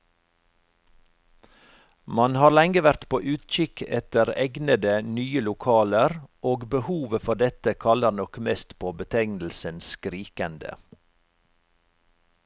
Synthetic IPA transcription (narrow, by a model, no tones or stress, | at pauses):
mɑnhɑːɾlɛŋɡəʋæɾt̪pʰoːʔʉːt̪c͡çʏkʰɛt̪əɾɛɡnəd̪ənyːəlʊkʰɑːləɾʔoːɡbəhuːʋəfɔɖɛt̪əkʰɑləɾnɔkmɛːst̪pʰoːbət̪ʰɛɡnl̩sənskɾiːkənd̪ə̰